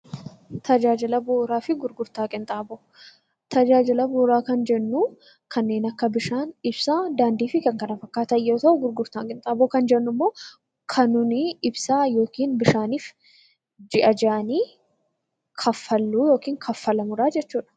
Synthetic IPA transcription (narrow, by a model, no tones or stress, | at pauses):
t̪ʰɐd͡ʒaːd͡ʒɪlɐboːɾaːfɪɡʊɾɡʊɾt̪aːkʼɪnt̪ʼaːboː | t̪ɐd͡ʒaːd͡ʒɪlɐboːɾaːkɐnd͡ʒɛnːuː | kʰɐnːe̞ːnɐkːɐbɪʃaːnɪbsaːd̪aːnd̪iːfɪkɐŋkɐnɐfɐkːaːt̪ɐjo̞ːt̪ɐʔʊɡʊɾɡʊɾt̪aːkʼɪnt̪ʼaːboːkɐnd͡ʒɛnːʊmːoː | kʰɐnʊniɪbsaːjo̞ːkiːnbɪʃaːniːf | d͡ʒɪʔɐd͡ʒaʔɐniː | kʰɐfːɐlːuːjo̞ːkiːŋkʰɐfːɐlɐmʊɾaːd͡ʒɛt͡ʃːuːᶑɐ̥